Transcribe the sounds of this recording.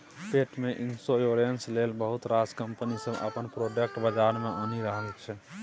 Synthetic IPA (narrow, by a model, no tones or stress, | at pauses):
peʈmeʔinsojoɾenslelbəɦut̪ɾaskəmpənisəbə̰pənpɾoɖək̚ʈbəd͡ʒaɾmeʔoniɾəɦəlt͡ʃʰɛ